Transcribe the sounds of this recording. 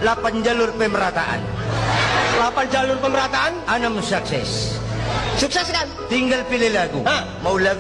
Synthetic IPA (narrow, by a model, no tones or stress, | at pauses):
lapand͡ʒalʊrpəməɾat̪aʔa̰n | lapand͡ʒalʊrpəməɾat̪aananamsuksɛs | suksɛskant̪iŋɡalpilelaɡṵa | maulaɡ